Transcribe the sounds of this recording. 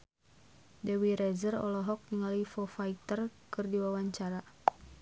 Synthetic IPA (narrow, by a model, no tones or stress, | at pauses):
dɛwiɾɛzərɔ̰lɔɦɔk̚niŋalifɔfait̪ərkɨrdiwawaɲt͡ʃaɾa